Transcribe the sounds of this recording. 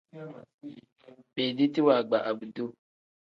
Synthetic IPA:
be˨di˦ti˦wa˨ɡ͡ba˨ʔa˨bu˨du˦

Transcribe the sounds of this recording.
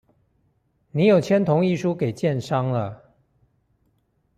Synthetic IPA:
ni˧˥jo˨˩ʊt͡ɕʰjɛ˥nt̪ʰʊ˧˦˥ŋi˥˧ʂu˦ke˨˩ɪt͡ɕjɛ˥˨nʂɑ˦ŋlə˨

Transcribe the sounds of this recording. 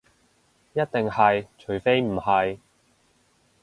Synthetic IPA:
jɐ˥t̚t̪ɪ˨ŋhɐ˨jt͡ʃʰɵ˨˩ɥfe˥jm̩˨˩hɐ˨j

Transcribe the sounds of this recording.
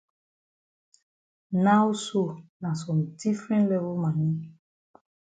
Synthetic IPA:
na˦wso˦˨nã˨sɔ̃˨mdi˦fɾɛ̃˦ntlɛ˦vo˦lmã˨nĩ˦

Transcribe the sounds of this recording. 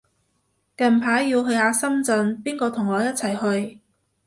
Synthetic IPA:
kɐ˨˩npʰaː˨˥jːiː˧wɦɵ˧ɥjhaː˨˧sɐ˥mt͡sɵ˧npiː˥nkɔː˧t̪ʰʊ˨˩ŋɔː˨˧jɐ˥t̚t͡sʰɐ˨˩jhɵ˧ɥ

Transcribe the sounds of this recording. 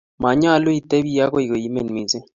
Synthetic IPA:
ma˨ɲ˦a˦˨lʊ˦i˨te˦bi˦ja˦ko˦i˨ko˨i˦me˨nmi˨ze˦

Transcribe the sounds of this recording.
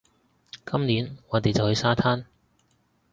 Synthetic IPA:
kɐ˥mniː˨˥nŋɔː˨˧t̪e˨jt͡sɐ˨whɵ˨˧jsaː˥t̪ʰaː˥n

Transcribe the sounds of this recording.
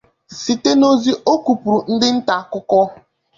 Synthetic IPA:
si˨te˦no˦zi˦ʔo˦ku˨pu˨ɾu˨n̩˦dɪ˦n̩˦ta˨kʊ˦kɔ˦

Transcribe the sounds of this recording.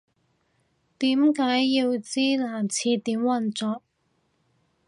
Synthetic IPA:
t̪iː˨˥mkaː˨˥jːiː˧wt͡siː˥laː˨˩mt͡sʰiː˧t̪iː˨˥mwɐ˧nt͡sɔː˨˩k̚

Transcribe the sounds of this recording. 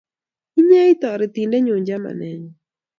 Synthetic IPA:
i˦ɲa˦i˦t̪ɔ˨ɾɪ˨t̪i˨ndɛ˦ɲʊ˨ɲd͡ʒa˦ma̰˨nɛ˨ɲɔ˨

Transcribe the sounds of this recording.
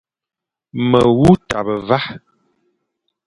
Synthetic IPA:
mə˨wu˦ta̰˨bə˨va˦

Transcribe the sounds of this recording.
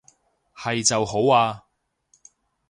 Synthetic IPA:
hɐ˨jt͡sɐ˨who˨˥waː˧

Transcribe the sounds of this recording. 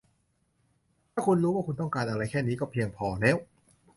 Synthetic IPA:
tʰaː˥˩kʰu˧nɾuː˦˥waː˥˩kʰu˧nt̪̬ɔ˥˩ŋkaː˧nʔa˧ɾa˧jkʰɛː˥˩niː˦˥kɔː˥˩pʰi˧əŋpʰɔː˧˩nɛː˦˥˩w

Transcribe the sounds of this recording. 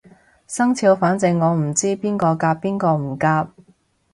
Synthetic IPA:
sɐ˥ŋt͡sʰiː˨˧wfaː˨˥nt͡sɪ˨˧ŋːɔː˨˧m̩˨˩t͡siː˥piː˥nkɔː˧kaː˧pːiː˥nkɔː˧m̩˨˩kaː˧p̚

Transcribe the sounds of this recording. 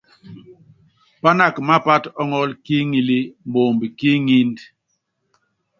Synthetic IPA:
pa˦na˦˨kma˦pa˦tɔ˦ŋɔ˦lki˦ŋi˦li˦m˨bo˨mbi˨ki˦ŋi˦nd

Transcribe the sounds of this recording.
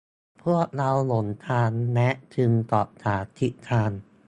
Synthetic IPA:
pʰu˥˩ək̚ɾa˧wlo˩˦nt̪ʰaː˧nːɛ˦˥ʔt͡ɕ̪ʰɯ˧ŋt̪ɔː˨˩p̚t̪ʰaː˩˦t̪ʰi˦˥ʔt̪ʰaː˧n

